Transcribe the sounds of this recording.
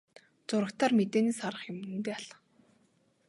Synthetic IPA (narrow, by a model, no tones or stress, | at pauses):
t͡sʊɾə̆kt̪ʰaːrmet̪eːneːsaɾə̆χjʊmnɘ̆nt̪eːaɮ